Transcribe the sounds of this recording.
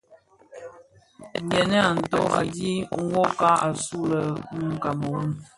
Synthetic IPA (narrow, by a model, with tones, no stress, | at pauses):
ŋ̩˨ɡɛ˨nɛ˦a˨n̩˨to˦ɣa˨di˦ŋ̩˦wo˦ka˦a˨su˦lə˨ŋ̩˦ka˨mo˨u˦